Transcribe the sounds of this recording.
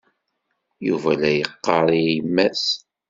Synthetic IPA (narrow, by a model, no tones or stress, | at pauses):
juvælæjəqːɑɾˤijəmːæs